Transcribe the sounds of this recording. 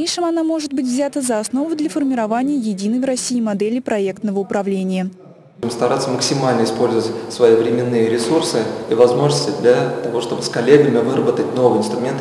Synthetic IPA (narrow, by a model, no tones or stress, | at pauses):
enʂɨmɐnamo̞ʐɨt̪̚bɨtʲvzʲat̪əzɐɐsno̞vʊd̪lʲəfərmʲɪɾɐvanʲɪjəjɪdʲinəjrɐsʲiːmɐd̪ɛlʲɪjpɾɐek̚t̪nəvəʊpɾɐvlʲenʲɪjə | ɪmst̪ɐɾat̪səməksʲɪmalʲnəɪspo̞lʲzəvətʲsvɐivɾʲɪmʲɪnːɨjəɾʲɪsursɨivɐzmo̞ʐnəsʲtʲɪd̪lʲat̪ɐvo̞ʂt̪o̞bɨskɐlʲeɡəmʲɪvɨɾəbət̪ətʲno̞vɨjɪnst̪ɾʊmʲe̞nt̪